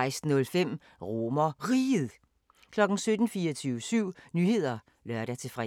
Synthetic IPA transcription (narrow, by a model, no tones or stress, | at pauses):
ɪsd̥n̩ɔ̽lfem̰ | ʁo̝mɐʁið̩ˠ | kʰlɒ̽ɡ̥n̩sød̥n̩fiːɐt͡sʰyːʊsyʊ̰nyhe̝ð̞̰ˠɐ | lɶɐɾæt͡sʰe̝fʁɛ